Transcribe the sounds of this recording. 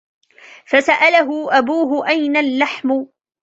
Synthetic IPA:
fasaʔalaɦʊʔabuːɦʊʔajnalːaħmʊ

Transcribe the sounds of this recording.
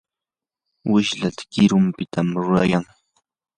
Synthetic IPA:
wɪʃlat̪ḁkɪɾʊmpɪt̪ʰamɾʊɾa̰jaŋ

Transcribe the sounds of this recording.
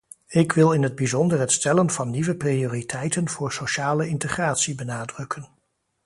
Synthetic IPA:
ɪkʋɪlˠɪnɦəd̚bizɔndərɦətstɛlənvɑnːiʋəprioːritʰɛjtənv̥ʊːɹsoʃaːləɪntəχraːtsibənaːdrɵkʰən

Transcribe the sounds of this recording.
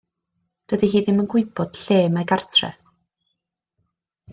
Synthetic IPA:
d̥əðiɦiːðɪmənɡ̥wʊɨbɔd̥ɬeːmaɡartʰrɛ̰

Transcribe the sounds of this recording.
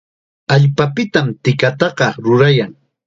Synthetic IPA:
aʎpapɪt̪amt̪ɪkat̪ɑɢɑɾʊɾajaŋ

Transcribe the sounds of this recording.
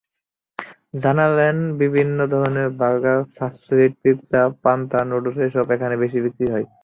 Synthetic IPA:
d͡ʑanalɛnbibʱinːod̪ʱɔonebaɡafasiliʈ̚pipsapant̪anoɖuʃeʃɔbekʰanebeʃibikɾiɦɔj

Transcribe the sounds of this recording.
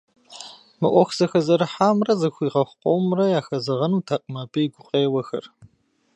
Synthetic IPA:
mɨʔʷɔxʷz̥ɐxɐzɐɾɨħaːmrɐzɨxʷiːʁɐxʷqʷʼowmrɐjaːxɐzɐʁɐnuːtʰaqʼmɐbɨjiɡʷʊqʼeːwɐxɐ̰r

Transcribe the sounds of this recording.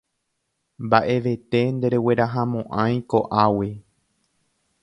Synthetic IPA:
mbaʔe̞ʋe̞t̪e̞nd̪e̞ɾe̞we̞ɾaɦãmõʔãj̃ko̞ʔawi

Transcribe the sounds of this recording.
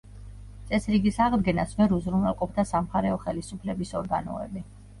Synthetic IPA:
t̪sʼɛsɾiɡisaʁd̪ɡɛnasvɛɾuzɾunɛlˠqʼɔp̚ʰd̪asamχaɾɛɔχɛlisupʰlɛbisɔɾɡa̰nɔ̰ɛ̰bi

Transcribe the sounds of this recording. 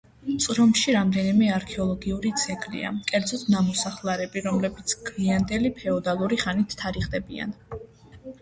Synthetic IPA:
t̪sʼɾɔmʃiɾamd̪ɛnimɛaɾkʰɛɔlˠɔɡiuɾit̪sʰɛkʼlḭa̰kʼɛɾd̪zɔt̪ʰnamɔsaχlˠaɾɛbiɾɔmlɛbit̪sʰɡ̥liand̪ɛlipʰɛɔd̪alˠuɾiχanit̪ʰːaɾiχd̪ɛbia̰n

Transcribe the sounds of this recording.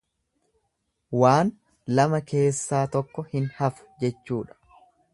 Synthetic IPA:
waːn | lɐmɐke̞ːsːaːt̪ɔkːɔhɪnhɐfʊ̥d͡ʒɛt͡ʃːuːᶑɐ̥

